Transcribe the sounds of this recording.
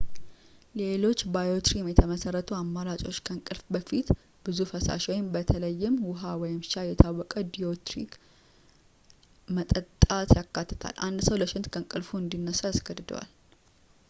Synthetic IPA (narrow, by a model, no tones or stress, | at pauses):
le̞lo̞t͡ʃːbajo̞t̪ʰɾimjɛt̪ʰəməsərːət̪ʰuamːalat͡ʃʼo̞t͡ʃːkʰəŋkʼɨlfbəfit̪ | b̥ɨzufəsa̰ʃwɔjɪmbət̪ʰələjːɪmwʊɦawɔjɪmʃajɛt̪ʰawːɔkʼəd̪ijo̞t̪ɾik | mət̪ʼət̪ʼːat̪jakʰːat̪ʰːɨ̥t̪ʰa̰lʔand̪səwləʃɪnt̪kʰəŋkʼɨlfuɨnd̪inːəsaasɡəd̪d̪əwa̰l